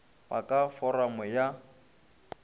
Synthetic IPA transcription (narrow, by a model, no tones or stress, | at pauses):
ba̰kʼafɔramʊja